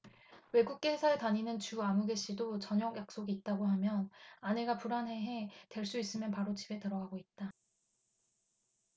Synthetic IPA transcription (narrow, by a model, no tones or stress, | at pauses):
we̞ɡuk̚k͈e̞ɦesʰaetaɲinɯnt͡ɕuamuɡe̞ɕ͈idot͡ɕʌɲʌɡjak̚s͈oɡiːt̚t͈aɡoɦamjʌnaneɡapuɾanɦe̞ɦe̞twe̞ɭs͈uis͈ɯmjʌnpaɾot͡ɕibe̞tɯɾʌɡaɡoit̚t͈a